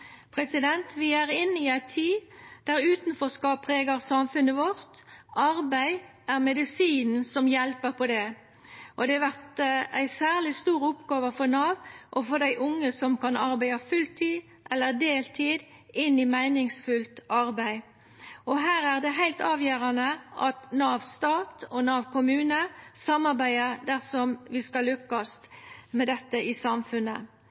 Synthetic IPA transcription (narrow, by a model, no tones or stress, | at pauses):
pʰɾɛsɪd̪ɛnt̪ʋɪæʁɪnːiæɪt̪ʰːiːd̪̥æɾʉːt̪nfɔskɑpʰʁeːɡɑʁsɑmfʉnəʋɔɾt̪ɑʁbæɪ | æʁmɛd̪ɪsiːnn̩sɔmjɛlpəpʰɔd̪ɛ | ʔɔd̪ɛɑʋæʁt̪æɪsæːʁlɪst̪uːɾʊpɡɑːʋəfɔnɑːʋʔɔfɔd̪æɪʔʊŋːəsɔmkɑnɑɾbæɪɑfʉlt̪ʰiː | ʔɛlːəʁd̪eːlt̪ʰiːd̪ | ɪnːɪmæɪnɪŋsfʉlt̪ɑɾbæɪ | ɔɦæːɾæʁd̪ɛɦæɪlt̪ɑːʋjøːɾɑnəʔɑt̪nɑːʋst̪ɑːt̪ɔnɑːʋkʰʊmʉːnəsɑmːɑɾbæɪəd̪æʁsɔmʋɪskɑlːʏkːɑst̪mɛd̪ɛt̪ːəʔɪsɑmfʉnːə̰